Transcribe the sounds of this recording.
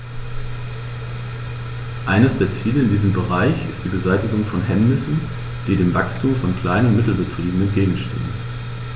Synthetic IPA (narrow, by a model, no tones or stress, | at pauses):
ʔaɪnəsd̥eːɐt͡siːləɪndiːzəm̩bəʁ̞aɪçɪstd̥iːbəzaɪtɪɡʊŋfɔnɦɛmnɪsn̩ | d̥iːdeːmva̰kstʰuːmfɔnkl̥aɪnənmɪtl̩bətʁ̥iːbm̩n̩ɛnt̚ɡ̥eːɡŋ̩ʃtɪ̰ːmən